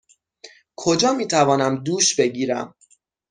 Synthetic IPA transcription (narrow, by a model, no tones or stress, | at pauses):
kʰo̞d͡ʒɒːmiːt̪ʰævɒːnæmd̪uːʃbe̞ɟiːɾæ̰m